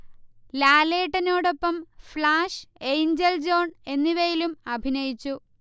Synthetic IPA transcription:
laːle̞ːʈːɐno̞ːɽo̞pːɐmflaːʂejɲd͡ʑɐld͡ʑo̞ːɳe̞nːiʋɐjilumɐbʱinɐjit͡ɕːu

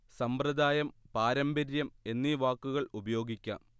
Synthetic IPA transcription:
sɐmprɐd̪aːjɐmpaːɾɐmbɐɾjɐme̞nːiʋaːkːuɣɐɭubɐjo̞ːɡikʲːa̰ːm

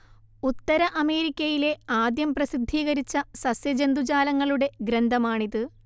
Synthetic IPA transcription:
ut̪ːɐɾɐʔɐme̞ːɾikʲːɐjile̞aːd̪jɐmprɐsid̪ʱːiːɣɐɾit͡ɕːɐsɐsjɐd͡ʑend̪ud͡ʑaːlɐŋːɐɭuɽe̞ɡɾend̪ʱɐmaːɳiðɨ

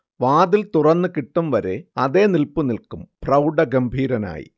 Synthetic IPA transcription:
ʋaːd̪ilt̪urɐnːɨkiʈːumʋɐɾe̞ɐðe̞ːnilpunilkumprɐwɖɐɡɐmbʱiːɾɐna̰ːjḭ

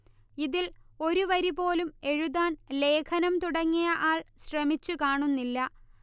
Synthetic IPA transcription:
iðilo̞ɾuʋɐɾipo̞ːlume̞ɻuðaːnle̞ːkʰɐnɐmt̪uɽɐŋːijɐʔaːɭɕrɐmit͡ɕːukaːɳunːilːɐ

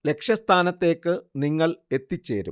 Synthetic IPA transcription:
le̞kʂjɐst̪ʰaːnɐt̪ːe̞ːkːɨniŋːɐɭe̞t̪ːit͡ɕːe̞̰ːɾṵm

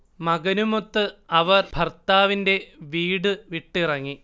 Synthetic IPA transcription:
mɐɡɐnumot̪ːɨɐʋɐrbʱɐrt̪aːʋinde̞ʋiːɽɨʋiʈːirɐŋːi

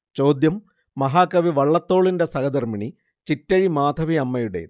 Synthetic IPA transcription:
t͡ɕo̞ːd̪jɐmː | ɐɦaːkːɐʋiʋɐɭːɐt̪ːo̞ːɭindesɐɡɐd̪ɐrmiɳi | t͡ɕitːɐɻimaːd̪ʱɐʋiɐmːɐjuɽḛ

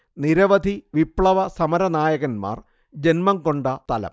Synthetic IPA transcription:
niɾɐʋɐd̪ʱiʋipɭɐʋɐsɐmɐɾɐnaːjɐɣɐnma̰ːr | d͡ʑenmɐŋko̞ɳɖɐt̪ɐlɐ̰m

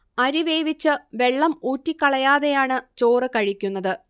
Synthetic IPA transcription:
ɐɾiʋe̞ːʋit͡ɕːɨʋe̞ɭːɐmuːtːikʲːɐɭɐjaːðe̞jaːɳɨt͡ɕo̞ːrɨkɐɻikʲːunːɐðɨ

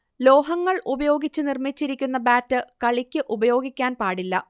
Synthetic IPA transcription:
lo̞ːɦɐŋːɐɭʔubɐjo̞ːɡit͡ɕːɨnirmit͡ɕːiɾikʲːunːɐbaːtːɨkɐɭikʲːɨʔubɐjo̞ːɡikʲːaːnpaːɽilːɐ̰

